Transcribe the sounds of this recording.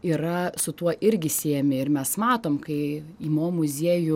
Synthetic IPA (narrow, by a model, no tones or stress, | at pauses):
iːɾɐsʊt̪uɔʔɪɾʲɡʲɪsʲiɛmʲɪɪɾmʲɛsmɑːt̪oːmkɐɪiːmoːmʊzʲiɛjʊ